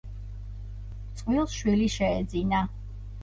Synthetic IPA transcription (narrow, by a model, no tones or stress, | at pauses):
t̪sʼqʼwilˠsʃwiliʃɛːd̪zina